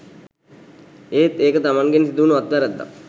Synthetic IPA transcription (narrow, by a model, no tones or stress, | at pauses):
eːt̪eːkət̪amaŋɡensid̪uunuat̪ʋaɾɛd̪ːa̰